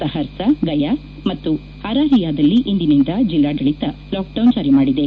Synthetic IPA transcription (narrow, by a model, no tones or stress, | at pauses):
ɐɦɐɾsɐɡɐja | mɐt̪ːu | haːɾaːɾijaːd̪ɐlːiʔind̪inind̪ɐd͡ʒilːaːɡɐɭit̪ɐlaːk̚ɖɐwnd͡ʒaːɾimaːɽid̪e̞